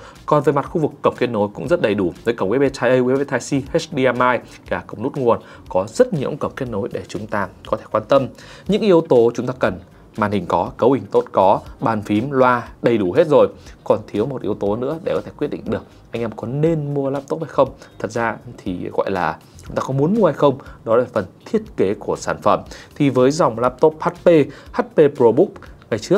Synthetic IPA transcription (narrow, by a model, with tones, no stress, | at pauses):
kɔ˨˩nve˨˩jma˨˩t̚xu˧vɨ˨˩kːə˨˧˩wŋ͡mke˧˥t̚no˨˦jkʊ̰˧˥ŋ͡mzə˦˥t̚ɗə˨˩jɗu˧˩nəː˨˦jkə˧˩wŋ͡mʔi˨˦ɓe˧t͡ɕaː˧jʔə˧ʔwi˨˦ɓe˧t̪ʰaː˧jsi˧hsɗi˧aː˧maː˧j | kaː˧˩kə˧˩wŋ͡mnu˦˥t̚ŋu˨˩ən | kɔ˨˦zə˦˥t̚ɲḭ˧˥əwŋ͡mkə˧˩ŋ͡mke˧t̚no˨˦jɗe˧˩t͡ɕʊ˨˦ŋ͡mt̪aː˧kɔ˨˦t̪ʰe˧˩kwaː˧nt̪ə˧m | ɲɨ̰˧˥ŋʔi˧əwt̪o˨˦t͡ɕʊ˨˦ŋ͡mt̪aː˧kə˨˩n | maː˨˩nhï˨˩ŋ̟kɔ˨˦kə˨˦whï˨˩ŋ̟t̪o˦˥t̚kɔ˨˦ɓaː˨˩nfi˨˦mlwaː˧ɗə˧˩jɗu˧˩ɦe˦˥t̚zo˨˩jkɔ˨˩nt̪ʰi˨˦əwmo˨˩t̚ʔḭ˨˦əwt̪o˨˦nɨ̰˧˥əɗe˧˩kɔ˨˦t̪ʰe˧˩kw̚ɗḭ˧˨ŋ̟ɗɨ˨˩ək̚ʔa˧jŋ̟ʔɛ˧mkɔ˨˦nːe˧nmu˧əlaː˦˥p̚t̪o˦˥p̚ha˧jxə˧wŋ͡mt̪ʰə˨˩t̚zaː˧t̪ʰi˨˩ɣɔ̰˧˨jlaː˨˩ | t͡ɕʊ˨˦ŋ͡mt̪aː˧kɔ˨˦mu˨˦ənmu˧əha˧jxə˧wŋ͡mɗɔ˨˦laː˨˩fə˨˩nt̪ʰi˦˥ət̚ke˨˦ku˧˩əsaː˧˩nfə˧˩mt̪ʰi˨˩vəː˨˦jza˨˩wŋ͡mlaː˦˥p̚t̪o˦˥p̚haː˦˥t̚pe˧haː˦˥t̚pe˧pɾo˧ɓʊ˦˥k͡p̚ŋa˨˩jt͡ɕɨ˦˥ək̚